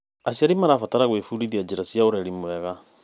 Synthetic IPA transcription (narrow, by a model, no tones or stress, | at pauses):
asiaɾimaɾaːfataɾaɣwefuɾiðiad͡ʒeɾasjaoɾɛɾimoɛɣa